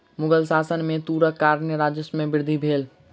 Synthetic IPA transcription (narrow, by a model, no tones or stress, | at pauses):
mʊɡəlsaːsənmẽt̪uːɾəkːaːɾnəɾaːd͡ʒəsmẽbɪɾd̪ʱibʱeːl